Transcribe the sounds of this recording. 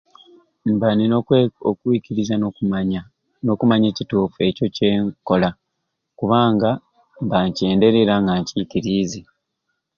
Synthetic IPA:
mbaniokwiːkiɾiza | no̞kumaɲe̞ːcituːfue̞co̞ce̞ːŋko̞la | kuβaːŋɡa | mbaɲce̞ːnde̞ɾe̞ɾaŋɡaɲciːkiɾiːze

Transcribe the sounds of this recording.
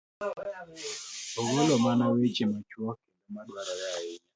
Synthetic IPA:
oɡolɔmanawed͡ʒimat͡ʃwɔkenomaɗwaɾɔjaɪ

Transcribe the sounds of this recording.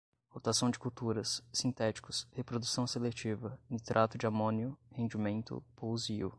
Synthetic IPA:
hot̪asɐ̃w̃d͡ʒɪkuwt̪uɾɐsːĩnt̪ɛt͡ʃi̥kʊshepɾod̪usɐ̃w̃selet͡ʃivɐ̃t̪ɾʔat̪ʊd͡ʒɪamõnjʊhẽnd͡ʒimẽnt̪ʊ̰powziʊ̰

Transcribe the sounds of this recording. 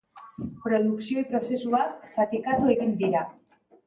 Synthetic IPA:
pɾoðuksjoipɾosesualsat̪ekaðueɣind̪iɾa

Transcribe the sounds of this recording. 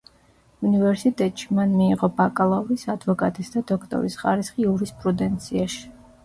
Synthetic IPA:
univɛɾsit̪ʼɛt̪ʼʃi̥manmiːʁɔbakʼalˠauɾisad̪vɔkʼat̪ʼisd̪ad̪ɔkʰt̪ʼɔ̰ɾisχaɾisχiuɾispʼɾud̪ɛnt̪sʰiaʃi̥

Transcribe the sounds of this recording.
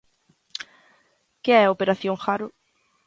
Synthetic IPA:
kɪɛopeɾaθjõŋxaɾʊ

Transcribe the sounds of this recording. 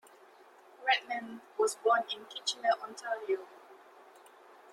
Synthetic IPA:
ɹɛt̚mɛ̃nwɔsbɔ̃nɪ̃nkʰit͡ʃɪnəʔɔ̃ntʰaɹio

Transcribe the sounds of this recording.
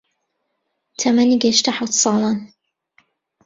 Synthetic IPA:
t̪ʰɐmaniɡɛʃt̪aħawt̪sɑːlˠɑːn

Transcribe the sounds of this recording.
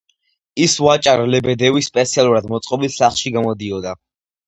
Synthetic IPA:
isvat͡ʃʼaɾlɛbɛd̪ɛvispʼɛt̪sʰialˠuɾad̪mɔt̪sʼqʼɔbilˠsaχlˠʃiɡamɔd̪iɔd̪a

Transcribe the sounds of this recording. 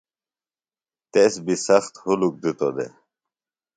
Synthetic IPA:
t̪esbisɐxt̪huluk̚d̪it̪o̰d̪ḛ

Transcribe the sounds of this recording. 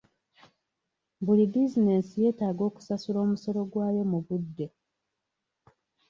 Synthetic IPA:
bulibizine̞sije̞ːtaːɡo̞ːku̥sasulo̞ːmuso̞lo̞ɡwaːje̞muβudːe̞

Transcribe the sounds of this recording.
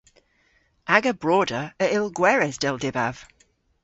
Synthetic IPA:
ʔaɡəbɹɔːdəəɪlˠɡwɛɹɛsd̥ɛlˠdɪba̰v̥

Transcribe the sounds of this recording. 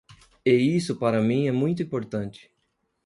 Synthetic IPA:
eisʊpaɾɐmĩɛmũj̃t̪̬ʊĩpoɾt̪ɐ̃nt͡ʃɪ̥

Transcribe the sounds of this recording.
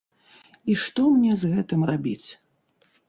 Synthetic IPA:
iʂt̪ɔmnʲɛzɣɛt̪ɨmrabʲit͡sʲ

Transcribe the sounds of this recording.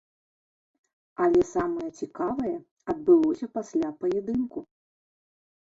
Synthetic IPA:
ɐlʲɛsamɐjɛt͡sʲikavɐjɛ | ɐd̪̚bɨlˠɔsʲɐpasʲlʲapɐjɛd̪ɨnku

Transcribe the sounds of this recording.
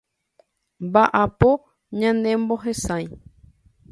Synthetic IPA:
mbaʔapo | ɲãnd̪ẽ̞mbo̞ɦesãj̃

